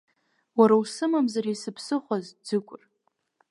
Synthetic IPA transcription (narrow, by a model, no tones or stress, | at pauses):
waɾawsɨmamzaɾisɨpʰsɨχʷazd͡zɨkʷʼʊr